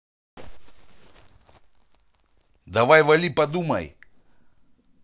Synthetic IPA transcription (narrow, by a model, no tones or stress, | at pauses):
d̪aʋajʋalipad̪uma̰j